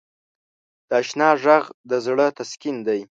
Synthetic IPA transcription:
d̪̥əaʃnɑʒaɣd̪əzɽət̪askind̪aj

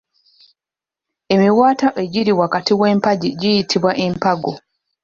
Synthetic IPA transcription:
e̞miwaːtaʔe̞ɟiɾiwakatiwe̞ːmpaɟiɟijitʰiβwaʔempaɡo

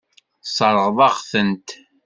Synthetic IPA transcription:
sˤɑɾˤʁðˤɑʁθənt̪

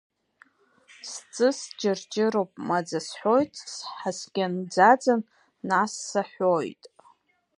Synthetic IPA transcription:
st͡sʼɨsd͡ʒɪrd͡ʒɪɾopʼmad͡zasħʷo̞jtʼsħasɡʲand͡zad͡zanː | asːaħʷojtʼ

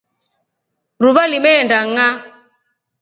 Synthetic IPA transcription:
ɾuβalimɛːndaŋa

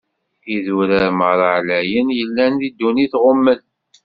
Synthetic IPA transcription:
iðuɾəɾməɾˤəʕlæjənjəlːænðid̪ːuniθʁomːən

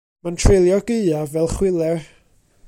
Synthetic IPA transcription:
mantʰrelˠjɔɡ̥əavɛlˠχwɪlˠɛr

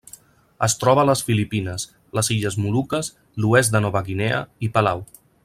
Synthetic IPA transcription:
əst̪ɾɔβələsfilipinəs | ləziʎəzmulukəs | luɛzd̪ənɔβəɣinɛə̰ipəlaw

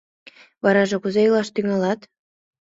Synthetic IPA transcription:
βɑɾɑʒɤ̆kuzeilɑʃt̪yŋɑlɑt̪

